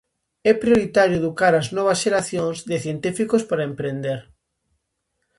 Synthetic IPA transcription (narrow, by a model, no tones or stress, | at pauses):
ɛpɾjoɾit̪aɾjʊeðukaɾɐznɔβ̞ɐsʃeɾaθjoŋzðɪθjent̪ifikospaɾɐempɾend̪eɾ